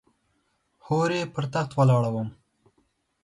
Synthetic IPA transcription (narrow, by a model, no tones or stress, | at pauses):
hoɾepəɾt̪axt̪walɑːɽawəm